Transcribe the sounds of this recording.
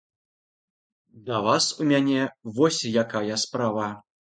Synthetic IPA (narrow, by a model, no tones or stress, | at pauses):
d̪ɐvasumʲanʲɛvɔsʲjakajɐspɾavɐ